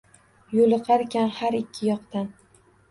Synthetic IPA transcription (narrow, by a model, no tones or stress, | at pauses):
jolˠɨqʰɑɾkʲʰanhaɾɪkʲʰːɪjɒqt̪an